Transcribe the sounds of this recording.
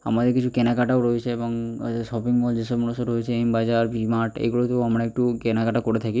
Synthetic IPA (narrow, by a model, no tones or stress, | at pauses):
a̰mad̪ekit͡ʃʰukɛnakaʈaoɾɔjt͡ʃʰeːbɔŋsɔpiŋʋɔld͡ʒesɔbmnusɔɾɦɔjt͡ʃʰeembad͡ʒaɾpimaʈḛɡoɭot̪oamɽ̃aekʈukɛnakaʈakɔɽet̪ʰaki